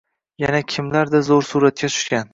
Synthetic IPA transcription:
janakʲʰɪmlaɾd̪azoɾsuːɾat̪̚kʲat̪ʰʊ̥ʃkʲan

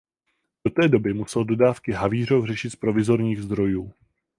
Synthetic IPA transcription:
do̞t̪ɛːdo̞bɪmusɛldo̞daːfkɪɦaviːr̝owr̝ɛʃɪt̪spɾo̞vɪzo̞ɾɲiːɣzd̪ɾo̞juː

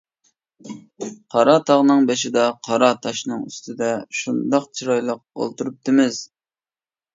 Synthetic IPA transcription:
qʰɑɾɑt̪ʰɑʁnɨŋbeʃɪd̪ɑqʰɑɾɑt̪ʰɑʃnɨŋy̰st̪ʰɨd̪ɛʃund̪ɑqt͡ʃʰiɾɑjlˠəq̚o̰lˠt̪uɾup̚t̪ʰɨmɪz̥

